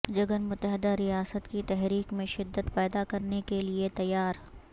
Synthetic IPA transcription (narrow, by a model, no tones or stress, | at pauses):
d͡ʒɐɡənmʊt̪ːəɦɪd̪aɾijaːsət̪kit̪ɛɦɾiːkmẽʃɪd̪ːət̪pɛːd̪akɐɾnekeliet̪ɐjaːɾ